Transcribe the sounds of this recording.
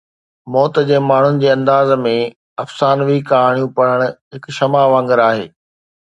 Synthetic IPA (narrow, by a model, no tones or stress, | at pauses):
mɔːt̪d͡ʑeːmaːɳ̤ʊnɪ̆d͡ʑeːɐ̃nd̪aːzmẽ | ɐfsaːnʋikaːɦɽ̃jũpɐɽ̤əɽ̃̆ɦɪkʃɐmaʋãːŋɡəɾaːɦeː